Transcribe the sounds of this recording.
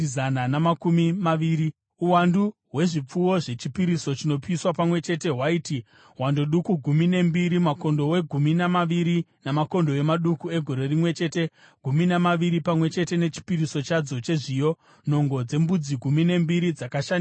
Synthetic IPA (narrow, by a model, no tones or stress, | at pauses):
zananamakumimaʋiːɾi | uwanduɦwe̞ʐip͡fuwo̞ʐe̞t͡ʃipiɾiso̞t͡ʃino̞piiswapamwe̞t͡ʃe̞te̞ɦwaiːti | wandoɗukuɡʱumine̞mbiɾimako̞ndo̞we̞ɡʱuminamaʋiɾinamako̞ndo̞e̞maɗukue̞ɡʱo̞ɾe̞rimwe̞t͡ʃe̞ːte̞ | ɡ̥ʱuminamaʋiɾipamwe̞t͡ʃe̞te̞ne̞t͡ʃi̥piɾiso̞t͡ʃad͡zo̞t͡ʃe̞ʐijo̞ | no̞ŋɡo̞d͡ze̞mbud͡ziɡʱumine̞mbiɾid͡zakaʃani